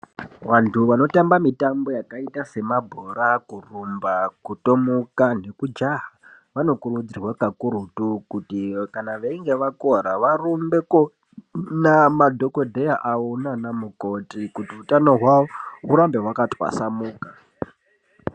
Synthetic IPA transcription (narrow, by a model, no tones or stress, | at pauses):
ʋantʰuʋano̞tambamitambo̞jakaitase̞mabʱoɾakurumbakuto̞mukane̞kud͡ʒaɦa | ʋano̞kurud͡zirwakakuɾutukutikanaʋeiŋɡe̞ʋako̞ɾaʋarumbe̞ko | namadʱo̞kodʱejaʔaunanamuko̞tikutiutano̞ɦwaouɾambe̞ɦwakatʼwa̰samuːka